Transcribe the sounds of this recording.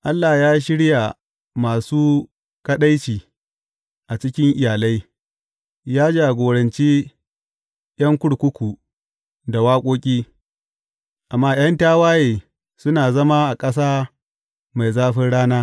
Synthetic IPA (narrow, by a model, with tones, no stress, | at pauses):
ʔa˦lːa˨jaː˦ʃ̬ɪ˦ɽja˨ | maː˨suː˦ | kɐ˦ɗa˦jt͡ʃiː˨ | ʔa˨t͡ʃɪ˦kʲɪ˦ŋʔɪ˨jaː˨la˦j | jaː˦d͡ʒa˨ɡʷoː˨ɽɐ˨nt͡ʃiː˦ | j̰ɐ˦ŋkʷʊ˦ɽkʷʊ˦kʷu˨ | da˨waː˦kʷʼoː˦kʲʼiː˦ | ʔa˨mːaː˦j̰ɐ˦ntaː˦waː˦jeː˨ | sʊ˦naː˨zɐ˦ma˦ʔa˨kʼɐ˦s̬aː˦ | ma˨jzaː˦ɸɪ˦nɽaː˦naː˦